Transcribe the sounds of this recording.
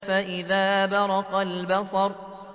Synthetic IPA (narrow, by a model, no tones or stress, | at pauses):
faʔɪðaːbɑɾˤɑqalbɑsˤɑɾˤ